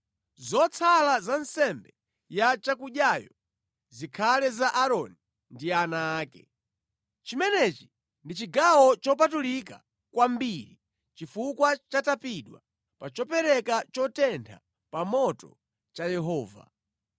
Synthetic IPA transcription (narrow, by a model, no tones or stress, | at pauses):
zɔt͡sʰalazansɛmbɛ | jat͡ʃakuɗjajɔ | zikʰalɛzaʔaɾɔni | ndianaːkɛ̰ | t͡ʃimɛnɛt͡ʃi̥ | ndit͡ʃiɡawɔt͡ʃɔp̬atulika̰ | kwambiɾi | t͡ʃifukwat͡ʃatapiɗwa̰ | pat͡ʃɔpɛɾɛkat͡ʃɔtɛntʰa̰ | pamɔtɔ̰ | t͡ʃajɛɦɔːva̰